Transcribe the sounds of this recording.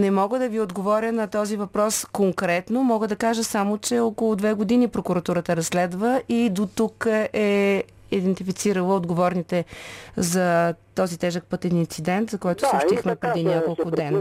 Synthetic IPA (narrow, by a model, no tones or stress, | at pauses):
nɛmɔɡəd̪ɐviod̪ɡovɔɾʲənɐt̪ɔzivɐpɾɔskoŋkɾɛt̪nomɔɡəd̪ɐkaʒəsamot͡ʃɛokolˠʊd̪vɛɡʊd̪inipɾokʊɾɐt̪uɾət̪əɾɐsːlɛd̪vəʔid̪ot̪ukʔɛ | id̪ɛnt̪ifit̪siɾəlˠəod̪ɡovɔɾnit̪ɛzɐt̪ɔzit̪ɛʒək̚pɤt̪ɛnint̪sid̪ɛnt̪zɐkɔjt̪ʊ̥sokʃt̪ixmɛpɾɛd̪inʲjakolˠkʊd̪ɛn